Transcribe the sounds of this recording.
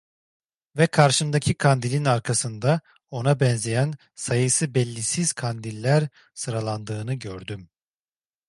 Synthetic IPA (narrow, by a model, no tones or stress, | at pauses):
vɛkʰaɾʃɯmd̪acʰikʰand̪ilʲinaɾkʰasɯnd̪a | o̞nabɛnzejæn | sajɯsɯbɛlʲːisiz̥kʰand̪ilʲːæɾ | sɯɾalˠand̪ɯːnɯɟøɾd̪ym